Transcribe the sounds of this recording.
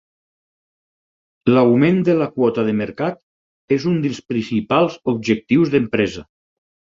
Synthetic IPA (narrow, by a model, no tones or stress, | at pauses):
lawmend̪əlakwɔt̪aðəməɾkat̪ | ezund̪əlˠspɾinsipalˠzub̚ʒək̚t̪iwzðəmpɾɛzɐ